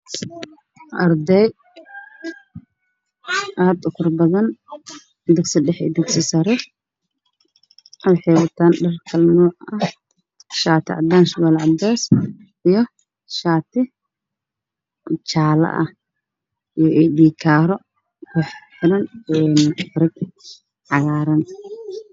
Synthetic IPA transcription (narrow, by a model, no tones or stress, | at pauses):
ʔɐrd̪ɛj | ʔaːd̪ʊkʰɐrbɐðɐn | d̪ɪɡsɪɖɛħɛ̰ːd̪ɪɡsɪsɐɾɛ | ɐwħɛːwɐt̪ʰaːnɖɐrkʰɐlnuːʕɐh | ʃaːt̪ʰɪʕɑ̰d̪aːnʃʊɣɐlʕɑb̪ɛːs | ʔijɔ | ʃaːt̪ʰɪ | t͡ʃaːlɐ̰ʔɐ̰ | ijɔʔɛd̪iːkʰaːɾɔ | kʰɛħt̪ʰɪɾɐnɛːnfɾɪɡ | ʕɑɣaːɾɐn